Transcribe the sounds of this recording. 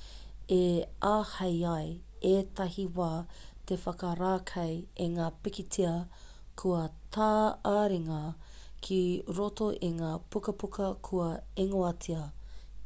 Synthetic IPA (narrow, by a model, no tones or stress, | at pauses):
eʔaːhɐjɐj | eːtɐhiwaːt̪efɐkɐɾaːkʰɐjeŋaːpikitʰiɐ | kʰuɐtʰaːaɾiŋɐkʰiɾotoʔeŋaːpukɐpukʰɐkʰuɐeŋoɐtʰiɐ